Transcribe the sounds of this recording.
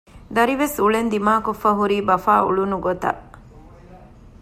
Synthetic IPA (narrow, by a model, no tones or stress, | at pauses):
d̪ɐɾiʋesuɭend̪imaːkofɐɦuɾiːbɐfaːṵɭunuɡot̪ɐ̰